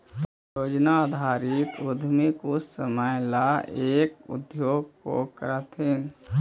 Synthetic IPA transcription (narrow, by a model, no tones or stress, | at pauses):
joːd͡ʒnad̪ʱaːɾit̪od̪ʱmikusəməjlaeːkʊ̰d̪joːɡko̰kəɾət̪ɦin